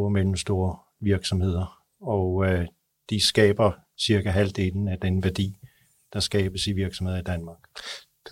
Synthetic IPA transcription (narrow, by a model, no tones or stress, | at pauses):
oɐmel̰m̩sd̥o̝ːɐ | ʋiɐɡ̥sɒ̽mhe̝ð̰ˠɐ | ɒ̽ | d̥isɡ̥ɛ̰ːb̥ɐ | siɐkæɦæld̥e̝nn̩æd̥enəʋæɐd̥ḭː | d̥ɑ̈sɡ̥ɛ̰ːb̥əsiʋiɐɡ̥sɒ̽mhe̝ðˠɐid̥ænmɑ̈ːɡ̥